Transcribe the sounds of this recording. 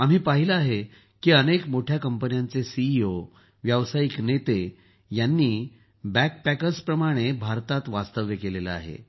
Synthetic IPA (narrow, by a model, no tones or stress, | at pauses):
am̤iːpaɦiləaɦe | kiːənekmoʈʰjakəmpənjãnt͡sesiːo | ʋjaʋsajiknet̪e | janːiː | bæk̚pækəɾspɾəmaɽ̃ebʱaɾt̪at̪ʋast̪əʋjəkelelea̰ɦḛ